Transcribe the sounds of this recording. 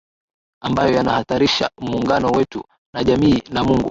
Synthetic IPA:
ambajɔjanahataɾiʃa̰muːŋɡanɔwɛtu | naʄamiːnamuŋɡu

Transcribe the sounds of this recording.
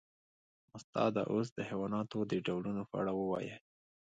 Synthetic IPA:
ʊst̪ɑ̰d̪a̰ʔos̬d̪əhewɑnɑt̪od̪əɖawlunopəa̰ɽawəwɑ̰jə

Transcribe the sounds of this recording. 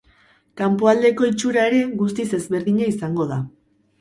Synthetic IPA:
kampoald̪e̞ko̞it͡ʃuɾae̞ɾe̞ɣust̪ise̞zβe̞ɾðiɲaisaŋɡo̞ð̞a

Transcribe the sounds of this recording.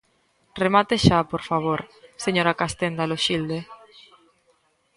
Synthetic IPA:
remat̪eʃapoɾfaβ̞oɾseɲoɾakast̪end̪aloʃild̪e

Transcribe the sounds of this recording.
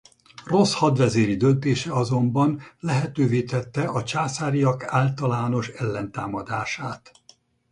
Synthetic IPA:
ro̞shɒd̪ʋɛzeːɾid̪ønt̪eːʃɛɒzo̞mbɒnlɛɦɛt̪øːveːt̪ɛt̪ːɛʔɒt͡ʃaːsaːɾiɒkaːlt̪ɒlaːno̞ʃɛlːɛnt̪aːmɒd̪aːʃaːt̪

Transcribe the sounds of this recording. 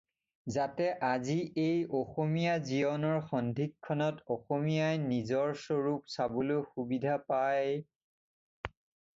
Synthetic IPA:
zatɛʔaziʔejʔɔxomijaziɔnɔɹxɔndʱikʰːɔnɔtɔxomijajnizɔɹsoɹupsabolojxubidʱapaj

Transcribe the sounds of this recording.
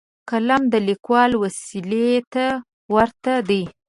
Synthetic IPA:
kalamd̪əlikwɑlwasilet̪a | waɾt̪ad̪i

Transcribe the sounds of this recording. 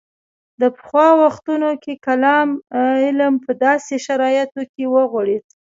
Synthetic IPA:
d̪əpə̥xwɑwaxt̪unokekalɑmɪlmpəd̪ɑseʃaɾɑjat̪okewəɣaɽe

